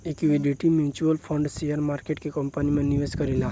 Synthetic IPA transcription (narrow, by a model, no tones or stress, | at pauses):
ekʋiɖiʈimjut͡ɕuəlfɔ̃ɳɖsijəɾmaɾkeʈkekɔmpanimẽniʋeskəɾila